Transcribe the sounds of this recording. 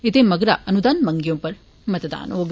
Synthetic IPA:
et̪emɐɡɾaʔɐnud̪aːnmɐŋɡjõːpɐɾ | mɐt̪ɐd̪a̰ːnoːɡ

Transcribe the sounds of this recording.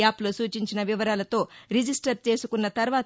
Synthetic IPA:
aːplosuːt͡ʃiɲt͡ʃinɐʋiʋɐɾaːlɐt̪o̞ːɾid͡ʒisʈɐɾt͡ʃe̞ːsukunːɐt̪ɐɾʋaː

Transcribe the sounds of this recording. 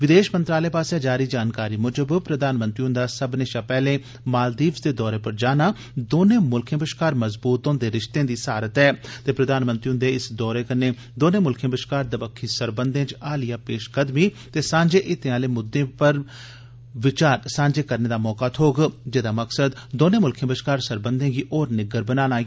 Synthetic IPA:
ʋɪd̪eːʃmənt̪ɾaːleːpaːsaːd͡ʒaːɾiːd͡ʒaːnkaːɾiːmʊd͡ʒəbpɾəd̪aːnmə̃nt̪ɾiːɦʊ̃nd̪aːsəbnẽːʃaːpɛːlẽː | maːld̪iːbsd̪eːd̪ɔːɾeːpəɾd͡ʒaːnaː | d̪oːnẽːmʊlkʰẽbəʃkaːɾməzbuːt̪õːd̪eːɾɪʃt̪ẽːd̪iːsaːɾət̪ɛːt̪eːpɾəd̪aːnmənt̪ɾiɦʊnd̪eːɪsd̪ɔːɾeːkəneː | d̪oːnẽːmʊlkʰẽːbɾəʃkaːɾd̪əbəkʰːiːsəɾbənd̪ẽːt͡ʃaːlɪjaːpeːʃkəd̪miːt̪eːsãːɲd͡ʒeːʔɪt̪ẽãːleːmʊd̪ẽːpəɾ | ʋɪt͡ʃaːɾsãːɲd͡ʒeːkəɾneːd̪aːmɔːkaːt̪ʰoːɡd͡ʒeːd̪aːməksəd̪d̪oːnẽːmʊlkʰẽːbəʃkaːɾsəɾbənd̪ẽːɡiːʔoːɾnɪɡəɾbənaːnaːɡi

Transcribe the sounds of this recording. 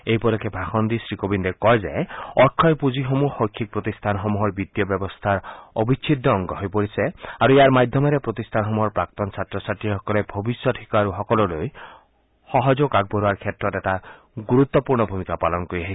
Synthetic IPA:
eɦipɔɾɔkebʱaxɔnd̪isɾikobind̪ekɔjed͡ʒa̰eɔɾkʰːɔjpud͡ʒiɦɔmuxɔjkʰːik̚pɾɔt̪ist̪ʰanɦɔmuɦɔɾbit̪ːjɔbjɔbɔst̪ʰaɾɔbʱit͡ʃʰid̪ʱːɔːŋɡɔɦɔjpɔɾiseaɾueaɾmad̪ʱjɔmeɾepɾɔt̪ist̪ʰanɦɔmuɦɔɾpɾak̚t̪ɔnsʰat̪ɾɔsaʈiɦɔkɔlebʱɔbisjɔʈʰikɔaɾuɦɔkɔlɔloj | hɔɦɔd͡ʒokaɡ̚bɔɾuaɾkʰjet̪ɾɔt̪eta | ɡuɾut̪ːɔpuɾɳɔbʱumikapalɔnkɔɾiaɦi

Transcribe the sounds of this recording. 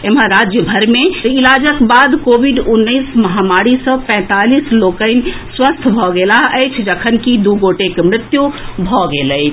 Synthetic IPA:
emɦəɾad͡ʒjəbʱəɾmeilad͡ʒəkbad̪kobʱiɖunːəjsməɦamaɾisə̃pɛ̃t̪alislokəɪn̆swəst̪ʰbʱɔɡelaɦəjt͡ʃʰd͡ʒəkʰənkid̪uɡoʈekemɾɪt̪jubʱɔɡeləjt͡ʃʰ

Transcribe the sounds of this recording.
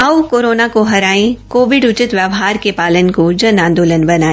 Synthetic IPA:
ɐʋkoːɾoːnakoɦɐɾaːẽkoːʋɪɖʊt͡ʃɪt̪ʋjɐʋɦaːɾkepaːlənkod͡ʒɐnãːnd̪oːlənbɐnaːẽ

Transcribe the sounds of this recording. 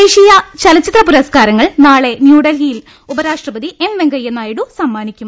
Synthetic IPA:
eːʂijɐt͡ɕɐlɐt͡ɕːit̪rɐpuɾɐskaːɾɐŋːɐɭnaːɭe̞njuːɽɐlijil | ubɐɾaːʂʈrɐbɐd̪iʔe̞mʋeŋɡɐjːenːaːjiɽusɐmːaːnikʲːum

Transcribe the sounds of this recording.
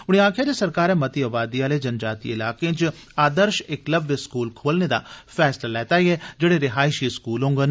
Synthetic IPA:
ʊɽ̃iːaːkʰɪjaːd̪eːsəɾkaːɾɛːmət̪iːəbaːd̪iːaːleːd͡ʒənd͡ʒaːt̪ḭːɪlaːkẽːt͡ʃ | aːd̪əɾʃɪkləbeskuːlkʰoːlneːd̪a̰ːpʰɛːslaːlɛːt̪aːiɛːd͡ʒeːɽeːɾɪɦaːɪʃiskuːlɦõːŋɡən

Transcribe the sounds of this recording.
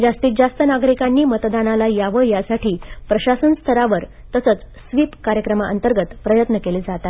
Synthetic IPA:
d͡zast̪iːt̪̚d͡zast̪ənaɡɾikanːiːmət̪d̪analajaʋəjasaʈʰiːpɾəɕasənst̪ʰəɾaʋəɾ | t̪əsət͡s | sʋipkaɾjəkɾəmaʔə̰nt̪əɾɡət̪pɾəjət̪nəkeled͡zat̪at̪

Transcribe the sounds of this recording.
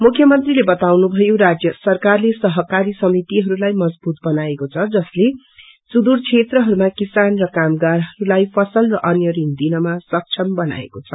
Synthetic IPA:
mukʰjʌmʌnt̪rilebʌt̪awnubʱʌjoɾad͡zjʌsʌrkarlesʌɦʌkaɾisʌmit̪iɦʌɾulajmʌd͡zbut̪̚bʌnaekot͡sʰʌd͡zʌsle | sud̪urt͡sʰet̪rʌɦʌɾumakisanrʌkamɡaɾɦʌɾulajpʰʌsʌlrʌʔʌnjʌɾind̪inʌmasʌk̚t͡sʰʌmbʌna̰ḛkot͡sʰʌ

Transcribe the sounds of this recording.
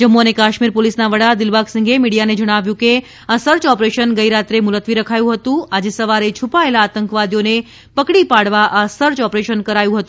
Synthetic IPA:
d͡ʒəmːoənekaʃmiɾpolisnaʋəɽad̪ɪlʋaɡsəŋɡemiɽijaned͡ʒəɽ̃aʋjũke | asəɾt͡ʃɔpɾeʃənɡəiɾat̪ɾemʊlət̪ʋiɾəkʰajũɦət̪ũad͡ʒesəʋaɾet͡ʃʰupaelaːt̪əŋkʋad̪ijone | pəkɽipaɽʋaʔasəɾt͡ʃɔpɾeʃənkəɾajũɦət̪ũ

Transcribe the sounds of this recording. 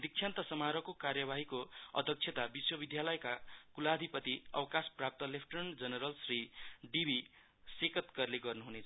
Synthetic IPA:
d̪ik̚t͡ʃʰjant̪ʌsʌmaɾʌkokarjʌbaɦikoʌ̰d̪ʱʌk̚t͡sʰet̪abiswʌbid̪ʱjalʌjkakulad̪ʱipʌt̪iʌ̰wkasprap̚t̪ʌlepʰʈʌrnd͡zʌnʌɾʌlsriɖibi | sekʌt̪kʌrleɡʌrnuɦunet͡sʰ

